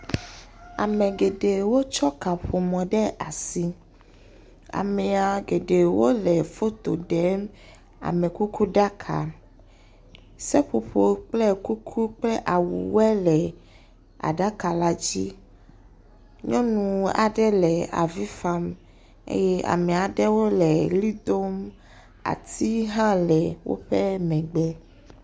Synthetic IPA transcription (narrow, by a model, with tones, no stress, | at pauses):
a̰˨mɛ̃˨ɡe˨ɖe˨wo˦t͡ʃɔ˦ka˨ɸo˨mɔ̃˨ɖɛ˦a˨si˦ | a̰˨mɛ˨a˨ɡe˨ɖe˨wo˦lɛ˨fo˦t̪o̰˨ɖɛ˨˦ | a̰˨mɛ̃˨ku˦ku˦ɖa˦kʰa̰˨ | sɛ˦ɸo˨ɸo˨k͡plɛ˦ku˦kʰu˦k͡plɛ˦ʔa˨wṵ˨wɛ˦lɛ˨ | a̰˨ɖa˦ka˨la˦d͡ʑi˦ | ɲɔ̃˦ñũ˨a̰˨ɖɛ˦lɛ˨a̰˨vi˦fa˦m | ḛ˦jɛ˦a̰˨mɛ˨a˨ɖɛ˦wo˦lɛ˨li˦d̪o˦m | a̰˨t̪i˦ɦã˦lɛ˨wo̰˦ɸɛ˦mɛ̃˨ɡ͡bɛ˦